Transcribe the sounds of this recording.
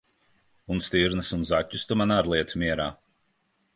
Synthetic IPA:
unst̪iɾnɨsunzacʲːust̪umanaɾlˠiɛt̪smʲiɛɾaː

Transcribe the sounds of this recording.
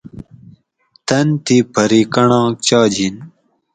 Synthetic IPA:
t̪ɐnt̪ipʰɐɾikɐɳɑ̃ːkt͡ɕɑːd͡ʑin

